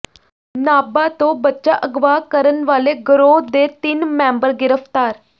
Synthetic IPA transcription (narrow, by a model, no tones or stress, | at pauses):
naːbaːt̪õːbətːʃaːʔəɡʋaːkəɾənʋaːleːɡəɾoːd̪eːt̪ɪnmɛ̃ːmbəɾɡɪɾəpʰt̪aːɾ